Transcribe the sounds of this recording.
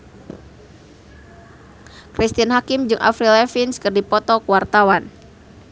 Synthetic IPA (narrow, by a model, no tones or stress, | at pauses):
kɾist̪inɦakimd͡ʒɨŋʔa̰fɾilɛfinskɨrdipɔt̪ɔkuwart̪awan